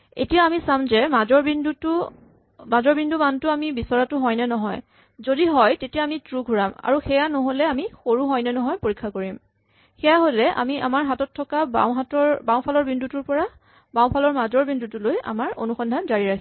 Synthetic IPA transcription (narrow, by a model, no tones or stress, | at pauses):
ḛtijaamisamzɛmazɔɹbinduu | mazɔɹbindumantʊamibisɔɹatʊɦɔjnɛnɔɦɔj | zodiɦɔjtetijaamitɹuɡʱuɹama̰ɹuxɛjanɔɦolɛamixoɹuɦɔjnɛnɔɦɔjpoɹikʰːakoɹim | xɛjaɦolɛʔa̰mia̰maɹɦatɔtʰːɔkaba̰wɦatɔɹbaw̃pʰalɔɹbindutuɹpɔɹa | baw̃pʰalɔɹmazɔɹbindutuloja̰maɹo̰nuxɔndʱanzaɹiɹakʰi